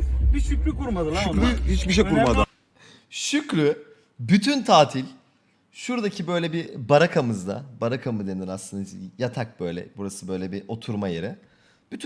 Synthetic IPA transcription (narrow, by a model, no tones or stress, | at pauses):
biʃykʲɾykuɾmad̪ɯʃɾyhit͡ʃbiʃejkuɾmad̪ɯ | ʃycɾy | byt̪ʰynt̪ʰaːt̪ʰilʲ | ʃuɾd̪acʰibøjlʲɛbibaɾakʰamɯzd̪a̰baɾakʰamɯd̪eniɾaslˠɯnd̪ajat̪ʰak̚b̥ø̞jlʲɛ̰buɾasɯbø̞jlʲɛbiʔo̞t̪ʰuɾmajeɾɪ | b̥yt̪ʰy